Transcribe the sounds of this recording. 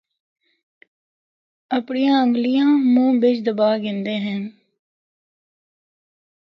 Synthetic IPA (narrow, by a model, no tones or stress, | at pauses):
əpɳijãːəŋɡlɪjãːmõːbɪt͡ʃd̪əbaːɡɪ̃nd̪eːɦɛ̃ː